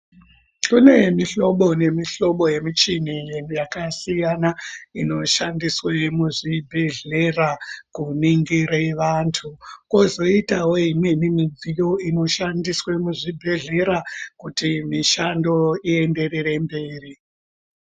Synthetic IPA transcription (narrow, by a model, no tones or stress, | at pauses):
kune̞miɬo̞ɓo̞ne̞miɬo̞ɓo̞je̞mit͡ʃinejenujakasijanaino̞ʃandiswemuʐibʱe̞ɮe̞rakuniŋɡiɾeʋaːntʰuko̞zo̞itawo̞imwe̞nimid͡zijo̞ino̞ʃandiswe̞muʐibʱe̞ɮe̞ɾakutimiʃando̞ie̞nde̞rere̞mbe̞ːri